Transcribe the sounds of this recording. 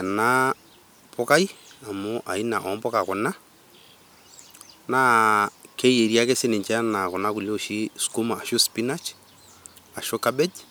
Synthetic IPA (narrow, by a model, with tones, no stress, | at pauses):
ɛ˨na˦ | pʊ˦ka˦ji˦a˨mʊ˦ʔa˨i˦na˨ʔɔ˨˦mpɔ˦ka˨kʊ˨na˦ | na˦kʰe˦je˨ɾja˦kɛ˦sɪ˦nɪ˨ɲt͡ʃɛ˦na˨kʊ˨na˦kʊ˨ljo˦˨ʃi˦sku˦maː˨ʃʊ˦spi˦na˦t͡ʃ | a˨ʃʊ˦ka˦bɛ˦d͡ʒ